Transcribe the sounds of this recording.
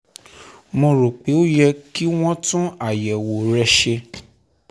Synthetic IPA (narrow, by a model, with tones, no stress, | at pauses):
mõ˧ɾo˨k͡pe˨˦o˦jɛ˧ki˦w̃ɔ̃˦tũ˦a˦˨jɛ˨wo˨ɾɛ˦ʃe˧